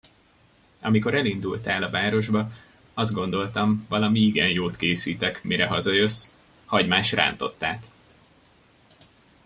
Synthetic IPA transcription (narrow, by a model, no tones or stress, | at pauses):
ɒ̰miko̞ɾɛlind̪ult̪aːlɒvaːɾo̞ʒbɒ | ɒzd̪̚ɡo̞nd̪o̞lt̪ɒɱvɒlɒmiiɡɛnjoːt̪keːsiːt̪ɛkmiɾɛɦɒzɒjøs | hɒɟmaːʃra̰ːnt̪o̞̰t̪ːa̰ːt̪